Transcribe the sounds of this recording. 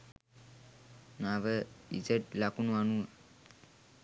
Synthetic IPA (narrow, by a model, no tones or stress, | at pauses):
naʋəid͡ʒəʈlakunuanuə